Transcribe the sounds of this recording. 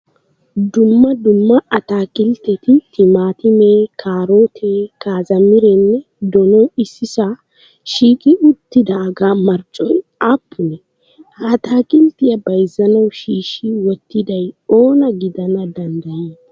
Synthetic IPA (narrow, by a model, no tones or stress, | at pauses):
d̪ʊmːɐd̪ʊmːɐɐt̪aːkʼɪlt̪ɛt̪ɪt̪ʰɪmaːt̪ɪmeːkʰaːɾoːt̪ʰeːkaːzɐmɪɾɛnːɛ | d̪ɔnɔɪsːɪsa | ʃiːkʼɪʊt̪ːɪd̪aɡaːmɐɾt͡ʃʼɔjaːpʰːʊnɛ | hɐt̪aːkʼɪlt̪ɪjɐbɐjzɐnɐwʃiːʃːɪwɔt̪ːɪd̪ɐjoːnɐɡɪd̪ɐnɐd̪ɐnd̪ɐjeː